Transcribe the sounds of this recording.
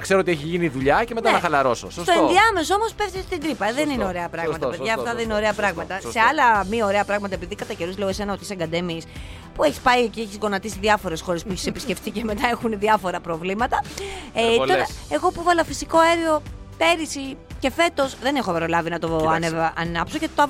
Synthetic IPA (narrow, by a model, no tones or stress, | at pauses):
kseɾoot̪ieçiʝiniðuʎɐcemet̪ɐnɐxɐlɐɾo̞so̰sst̪oenðiɐme̞soo̞mo̞spe̞fθist̪ind̪ɾipɐðenineo̞ɾe̞ɐpɾɐɣmɐt̪ɐpeðʝɐːft̪ɐðenine̞o̞ɾeɐpɾɐɣmɐt̪ɐse̞ɐlɐmioɾe̞ɐpɾɐɣmɐt̪ɐepiðikɐt̪ɐce̞ɾuzleoese̞nɐot̪i̥seŋɡɐd̪emis | pueçi̥spɐicieçizɣo̞nɐt̪isiðʝɐfo̞ɾe̞sxo̞ɾe̞spueçi̥sepi̥sce̞ft̪ice̞me̞t̪ɐe̞xuneðiɐfo̞ɾɐpɾo̞vlimɐt̪ɐeoɾɐeɣo̞puvɐlɐfisiko̞ɐeɾio̞ | pe̞ɾisice̞fe̞t̪o̞sðe̞nexopɐɾolɐvinɐt̪oɐnevʔɐnɐpsocet̪oɐ